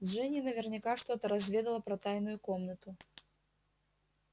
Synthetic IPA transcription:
dʐɛnʲinɐvʲɛrnʲikaʂt̪ɔt̪ɐɾɐzʲvʲɛd̪ɐlˠɐpɾɐt̪ajnʊjukɔmnɐt̪ʊ

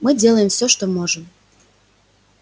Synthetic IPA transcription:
mɨdʲelˠəjəmfsʲoʃt̪omoʒəm

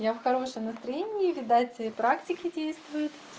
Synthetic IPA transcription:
jafxɐɾo̞ʂəmnəst̪ɾɐjenʲɪːvʲɪd̪atʲɪɪpɾaktʲɪkʲɪdʲejst̪vʊjʊt̪

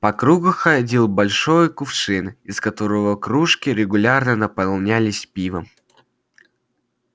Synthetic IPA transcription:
pɐkɾuɡʊxɐdʲilˠbɐlʲʂojkʊpʂɨnɪskɐt̪oɾəvəkɾuʂkʲɪɾʲɪɡʊlʲarnənəpɐlˠnʲalʲɪsʲpʲivəm

